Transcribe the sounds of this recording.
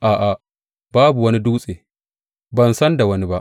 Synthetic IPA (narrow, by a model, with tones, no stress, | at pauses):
ʔaː˨ʔa˨ | baː˦bu˨wɐ˦ni˦duː˦sʼeː˨ | bɐ˨nsɐ˦nda˨wɐ˦ni˦ba˦ʔ